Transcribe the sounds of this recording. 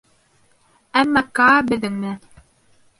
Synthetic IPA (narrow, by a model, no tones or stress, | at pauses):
æmːɑkɑbɘ̆ðɘ̆ŋmɘ